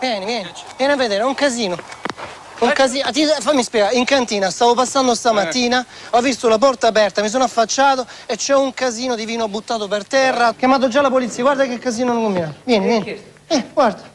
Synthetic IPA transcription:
vjɛːnivjɛːnivjɛːnavːed̪eːɾuŋkaziːno | uŋkaziat̪ifamːispjɛɡaɾiŋkant̪iːnast̪aːvopasːand̪ost̪amat̪ːiːna | ɔvːist̪olapɔrt̪aːpɛrt̪amis̬onafːat͡ʃːaːt̪oet͡ʃːɛuŋkaziːnod̪iviːnoabːut̪ːaːt̪opert̪ɛrːakjamaːt̪̬od͡ʒːalapolit̪sːiːaɡwaɾd̪akekːaziːnonokombinavjɛːnivjɛːn | ɛɡward̪ḁ

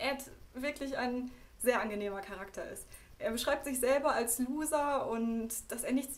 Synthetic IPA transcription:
ʔɛtvɪɐklɪçaɪnzeːɐʔanɡəneːmɐkʰaʁ̞aktʰɐʔɪ̰stʔeːɐbəʃʁ̥aɪp̚tz̥ɪçz̥ɛlbɐalsluːzɐʊntd̥aseːɐnɪçt͡s

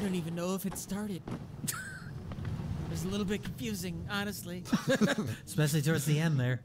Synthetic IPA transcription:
dõʊ̃ntivɨ̃nːoʊəfɨtstɑɹɾɨd̥̚ | wʌzəlɪɾl̩ˠbɪt̚kʰɨ̃ɱfjʉzɪ̃ŋɑnɨstˡli | spɛʃl̩ˠitʰɔɹdzðiɛ̃nðə˞

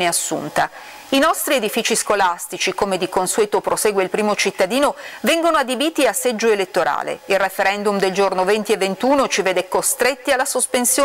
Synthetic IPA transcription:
neasːṵnt̪a | inɔst̪ɾied̪ifiːt͡ʃiskolast̪it͡ʃikomed̪ikonsuɛːt̪opɾoseːɡweilpɾiːmot͡ʃit̪ːad̪iːnovɛŋɡonoad̪ibiːt̪iasːɛd͡ʒːoelet̪ːoɾa̰ːlḛilrefeɾɛnd̪umd̪eld͡ʒornovent̪ievːent̪uːnot͡ʃiveːd̪ɛkost̪ɾet̪ːialːasospensjː

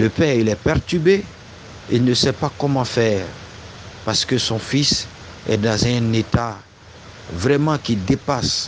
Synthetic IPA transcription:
ləpɛːʁilɛpɛʁt̪ybe | ilnəsɛpakɔmɑ̃fɛːʁ | paʁsə̥kəsɔ̃fis | ɛ̰d̪ɑ̃zɛ̃net̪a | vʁɛmɑ̃kid̪epas

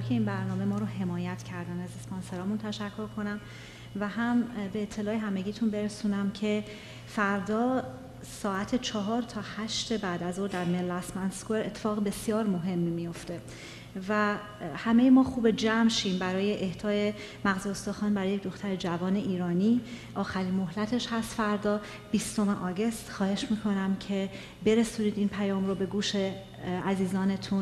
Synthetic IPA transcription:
kʰe̞iːnbæɾnɒːme̞mɒːɾoɦe̞mɒːjæt̪ʰcʰæɾd̪ænæzesponse̞ɾɒːmunt̪ʰæʃækʰːo̞ɾkʰo̞næm | væɦæmbe̞ːt̪ʰːe̞lɒːeɦæme̞ɟiːt̪ʰunbe̞ɾesuːnæmcʰe̞ | fæɾd̪ɒː | sɒːæt̪ʰet͡ʃʰɒːɦɒːɾt̪ʰɒːhæʃt̪ebæːd̪æzoːɾd̪æɾmellæsmænskoeɾet̪ʰːe̥fɒːɣebe̞sijɒːɾmo̞ɦe̞mːmijo̞ft̪e̞ | væ | hæme̞jemɒːxuːbe̞d͡ʒæmʃiːmbæɾɒːje̞ʔeht̪ʰɒːje̞ | mæɣziost̪ɒːxɒːnbæɾɒːjecʰd̪o̞xt̪æɾed͡ʒævɒːne̞ʔiːɾɒːniːʔɒːxæɾiːnmo̞ɦlæt̪ʰe̞ʃhæst̪fæɾd̪ɒː | b̥ist̪o̞meʔɒːɟe̞st̪xɒːhe̞ʃmiːkʰo̞næmcʰe̞ | be̞ɾesuːniːd̪iːnpʰæjɒːmɾo̞be̞ɡuːʃe̞ | æziːzɒːne̞t̪ʰun

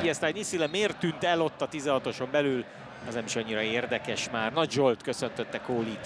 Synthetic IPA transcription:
ɛst̪aːɲisilɛmeːrt̪ːynt̪ɛlo̞t̪ːɒt̪izɛɦɒt̪o̞ʃo̞mbɛlyl | ɛznɛmiʃɒɲːiɾɒeːrd̪ɛkɛʃmaːrnɒɟzolt̪kø̞sø̞nt̪ø̞t̪ːɛkoːlit̪

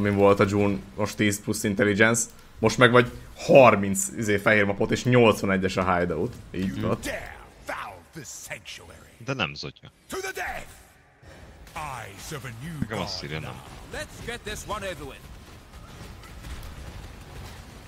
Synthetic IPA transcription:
mivo̞lt̪ɒd͡ʒuːnmoʃt̪iːsplusːint̪ɛlid͡ʒɛns | mo̞ʃt̪mɛɡʋɒɟhɒrmint̪sizeːfɛɦeːrmɒpo̞t̪eːʃɲo̞lt̪sʋɒnɛɟːɛʃɒɦajd̪ɒut̪iːɟuut̪ot̪ːɛfaʊðɨsæ̃ŋʃuɛ̰ɹid̪ɛnɛ̰mzo̰cɒtʰɨðədɛθ | aɪsovɨnjʉɒsiɾɛnɛ̰mlətsɡ̥ɛt̪̚ðɪswʌ̃noʊvəwɪ̃n

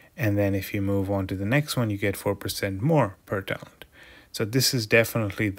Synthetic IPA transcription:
ɨ̃nðɨ̃nɨfjɨmuvə̃ntɨðɨnɛkst̚wʌ̃njɨɡɛtfɔɹpʰə˞sɛ̃nt̚mɔɹpʰə˞tʰã̰ʊ̃ndsoʊðɪsɨzdɛfənətʰˡlið

